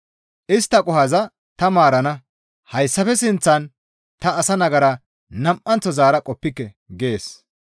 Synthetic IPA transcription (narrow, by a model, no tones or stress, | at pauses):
ʔɪst̪ːɐkʼʊhɐzɐ | t̪ɐmaːɾɐnɐ | hɐjsːɐfɛsɪnt͡sːɐn | t̪ɐːsɐnɐɡɐɾɐ | nɐmʔɐnt͡sːɔzaːɾɐkʼɔpːɪkːɛ | ɡe̞ːs